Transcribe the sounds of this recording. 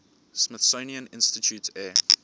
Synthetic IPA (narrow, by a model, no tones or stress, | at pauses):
smɪθsoniə̃nɪ̰̃nstitʰjuːtʰɛː